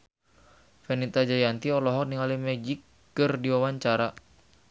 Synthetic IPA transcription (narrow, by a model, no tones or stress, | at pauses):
fɛnit̪ad͡ʒajant̪iɔlɔɦɔkniŋalimɛd͡ʒikː | ɨrdiwawaɲt͡ʃaɾa